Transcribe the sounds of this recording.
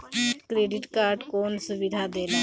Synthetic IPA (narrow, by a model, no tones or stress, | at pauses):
kɾeːɖɪʈkaːɾɖkoːnsʊbɪd̪ʱad̪eːla